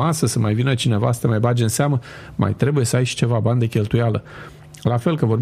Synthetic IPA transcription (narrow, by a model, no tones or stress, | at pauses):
asəsəmajvinət͡ʃine̞vast̪əmajbad͡ʒeɨnseamə | mʔa̰jt̪ɾe̞buje̞səajʃi̥t͡ʃe̞vaband̪ekʲe̞lt̪ujalə̰ | lafe̞lkəvo̞rb